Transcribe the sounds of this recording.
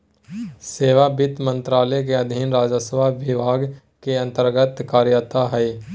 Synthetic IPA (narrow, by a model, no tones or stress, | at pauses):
seːʋabɪt̪mə̃nt̪ɾaːlɛk̬eɐd̪ʱinɾaːd͡ʒəsəʋaʋɪʋaːɡ | keə̃nt̪əɾɡət̪kaːɾjət̪aɦɛe